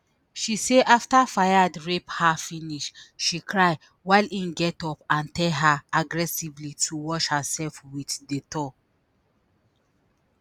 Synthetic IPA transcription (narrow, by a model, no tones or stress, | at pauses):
ʃiseʔaftafajadɹephafĩniʃʃikɹaj | waɪlĩnɡɛtɔpãntɛlɦaaɡɹɛsivlitʰuwɔʃhasɛlfwitdetɔ